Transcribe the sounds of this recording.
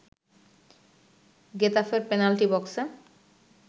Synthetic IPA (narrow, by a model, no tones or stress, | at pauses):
ɡet̪afeɾpenalʈibɔkse